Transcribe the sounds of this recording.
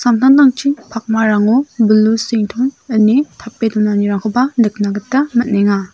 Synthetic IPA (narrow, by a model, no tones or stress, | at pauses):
samtʰandaŋt͡ʃʰipʰak̚maɾaŋɔbulusiŋtʰɔŋɯnːitʰapːedɔnaniɾaŋkʰɔbanɯk̚naɡɯtːamɐt̚neŋa